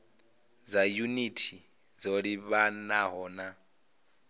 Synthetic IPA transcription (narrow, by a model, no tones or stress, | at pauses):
d͡zajunitʰi | d͡zoɺiβanaɦɔːna